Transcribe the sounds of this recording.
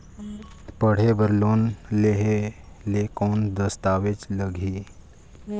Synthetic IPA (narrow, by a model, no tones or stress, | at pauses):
pəɽ̤ebəɾlonleɦe | lekond̪əst̪aʋet͡sləɡʱi